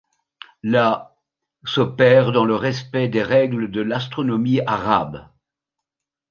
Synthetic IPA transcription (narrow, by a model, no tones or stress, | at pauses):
la | sɔpɛʁd̪ɑ̃ləʁɛspɛd̪eʁɛɡləd̪əlast̪χɔnɔmiaʁa̰b